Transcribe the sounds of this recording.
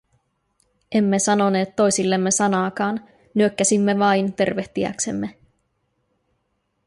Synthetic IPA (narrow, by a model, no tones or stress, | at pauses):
e̞mːe̞sɑno̞ne̞ːt̪ːo̞jsilːe̞mːe̞sɑnɑːkɑːn | nyøkːæsimːe̞ʋɑjnt̪e̞̰rʋe̞ht̪iæ̰kse̞̰mːe